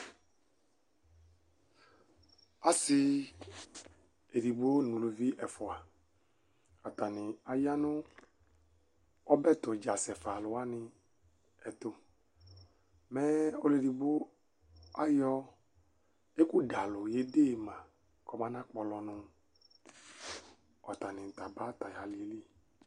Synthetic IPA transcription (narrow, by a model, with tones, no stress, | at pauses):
a˨sɪ˦ | e˨ɾi˨bo˦nũ˨lo˨vi˦ʔɛ˨fɔ˨a˨ | a˨t̪a˨nɪ̃˨a˨ja˦nʊ̃˦ | ɔ˦bɛ˦˨t̪o˨d͡ʒa˨sɛ˨fa˨lʊ˨a˦nɪ̃˨ | ɛ˨t̪ʊ˧˦ | mɛ˦o˦le˨di˨bo˦ | a˦jɔ˦ | e˦ku˦da˨lʊ˨je˦de˦˨mã˨ | kɔ˨˦mã˦nã˦k͡pɔ˨lɔ˨nʊ̃˨ | ɔ˨t̪a˨nɪ̃˨n˨t̪a˨ba˦t̪a˨ja˨li˨e˨˦li˦